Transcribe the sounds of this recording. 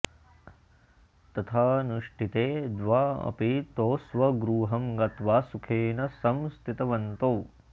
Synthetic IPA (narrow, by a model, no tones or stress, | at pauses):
t̪ɐt̪ʰaːnuʂʈit̪eːd̪ʋaːɐ̰pit̪oːsʋɐɡɾuːɦɐmɡɐt̪ʋaːsukʰeːnɐsɐmst̪ʰit̪ɐʋɐnt̪oː